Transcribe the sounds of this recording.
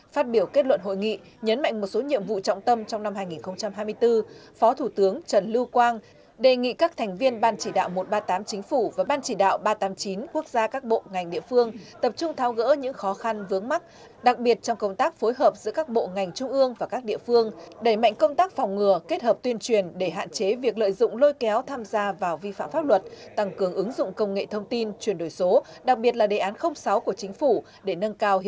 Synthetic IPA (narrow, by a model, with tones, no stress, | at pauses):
faː˦˥t̚ɓi˧˩əwke˦˥t̚lwə˧˨nɦo̰˧˨jŋḭ˧˨ | ɲə˨˦nma̰˧˨jŋ̟mo˨˩t̚so˨˦ɲḭ˧˨əmvṵ˧˨t͡ɕɔ̰˧˨ŋ͡mt̪ə˧mt͡ɕɔ˧wŋ͡mna˧mhaː˧jŋi˨˩nxə˧wŋ͡mt͡ɕa˧mɦaː˧jmɨ˧əjt̪ɨ˧fɔ˨˦t̪ʰu˧˩t̪ɨ˨˦əŋt͡ɕə˧˩nlɨ˧wkwaː˧n | ɗe˨˩ŋḭ˧˨kaː˦˥k̚t̪ʰɛ˨˩ŋ̟vi˧ənɓaː˧nt͡ɕi˧˩ɗa̰ː˧˨wmo˨˩t̚ɓaː˧t̪aː˨˦mt͡ɕï˨˦ŋ̟fu˧˩vaː˨˩ɓaː˧nt͡ɕi˧˩ɗa̰ː˧˨wɓaː˧t̪aː˨˦mt͡ɕi˨˦nku˦˥ək̚zaː˧kaː˦˥k̚ɓo̰˧˨ŋa˨˩jŋ̟ɗḭ˧˨əfɨ˧əŋt̪ə˨˩p̚t͡ɕʊ˧ŋ͡mt̪ʰaː˨˦wɣə̰ː˧˥ɲɨ̰˧˥ŋxɔ˨˦xa˧nvɨ˨˦əŋma˦˥t̚ | ɗa˨˩k̚ɓi˨˩ət̚t͡ɕɔ˧wŋ͡mkə˧wŋ͡mt̪aː˦˥k̚fo˨˦jɦəː˨˩p̚zɨ̰˧˥kaː˦˥k̚ɓo̰˧˨ŋa˨˩jŋ̟t͡ɕʊ˧ŋ͡mʔɨ˧əŋvaː˨˩kaː˦˥k̚ɗḭ˧˨əfɨ˧əŋɗə˧˩jma̰˧˨jŋ̟kə˧wŋ͡mt̪aː˦˥k̚fɔ˨˩wŋ͡mŋɨ˨˩əke˦˥t̚həː˨˩p̚t̪wi˧ənt͡ɕwi˨˩ənɗe˧˩ɦa̰ː˧˨nt͡ɕe˨˦vi˨˩ək̚lə̰ː˧˨jzʊ̰˧˨ŋ͡mlo˧jkɛ˨˦wt̪ʰaː˧mzaː˧vaː˨˩wvi˧fa̰ː˧˨mfaː˦˥p̚lwə˨˩t̚t̪a˧˩ŋkɨ˨˩əŋʔɨ˨˦ŋzʊ̰˧˨ŋ͡mkə˧wŋ͡mŋḛ˧˨t̪ʰə˧wŋ͡mt̪i˧nt͡ɕwi˧˩ənɗo˧˩jso˨˦ | ɗa˨˩k̚ɓi˨˩ət̚laː˨˩ɗe˨˩ʔaː˨˦nxə˧wŋ͡msa˨˦wku˧˩ət͡ɕï˨˦ŋ̟fu˧˩ | ɗe˧˩nə˧nkaː˧w